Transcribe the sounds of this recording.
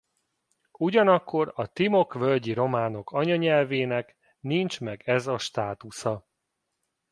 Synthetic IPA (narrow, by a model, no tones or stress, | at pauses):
uɟɒnɒkʰːo̞ɾɒt̪imo̞kvølɟiɾo̞maːno̞kɒɲɒɲɛlveːnɛk | nint͡ʃmɛɡɛzɒʃt̪aːt̪usɒ